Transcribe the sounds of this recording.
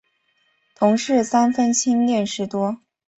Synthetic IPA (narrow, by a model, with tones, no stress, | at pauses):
t̪ʰʊ˧˥ŋʂɻ̩˥˩sa˥nfə˥nt͡ɕʰi˥ŋljɛ˥˩nʂɻ̩˧˥t̪wɔ˥